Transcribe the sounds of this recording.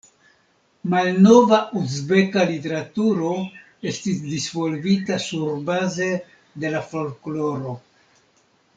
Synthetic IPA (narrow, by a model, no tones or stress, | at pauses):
malno̞vaʔuzbe̞kalite̞ɾatuɾo̞ | e̞stisdisvo̞lvitasuɾbaze̞ | de̞lafo̞lklo̞ɾo̞